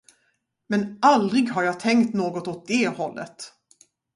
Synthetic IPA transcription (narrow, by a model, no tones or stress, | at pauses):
mɛnald̪ɾɪɡɦaɾjɑːt̪ʰɛŋkt̪noːɡɔt̪ɔt̪̚d̪ɛhɔlːə̰t̪